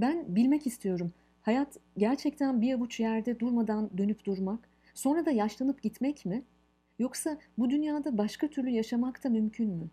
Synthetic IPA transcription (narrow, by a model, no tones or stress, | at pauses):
bænbilʲmɛcist̪ʰijo̞ɾum | hajat̪ɟæɾt͡ʃʰɛc̚t̪ʰænbiavut͡ʃjæɾd̪ɛd̪uɾmad̪and̪ø̞nypd̪̥uɾmak | so̞nɾad̪ajaʃlˠanɯpɟit̪mɛcmɪ | jo̞ksabud̪ynjaːd̪abaʃkat̪ʰyɾlʲyjaʃamakt̪ʰamymcʰynmy